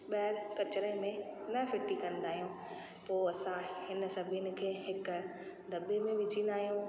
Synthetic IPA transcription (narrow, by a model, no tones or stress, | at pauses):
ɓɐɾkɐt͡ɕɾəmẽnɐfɪʈikɐ̃nd̪aːɦijũ | poːɐsãhɪn̆sɐbʱiənɪ̆kʰeːɦɪkd̪ʱɐbemẽʋɪd͡ʑĩnd̪aːɦijũ